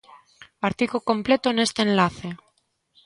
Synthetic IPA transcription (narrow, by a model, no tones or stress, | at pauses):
aɾt̪ikokõ̞mplet̪one̞st̪eenlaθe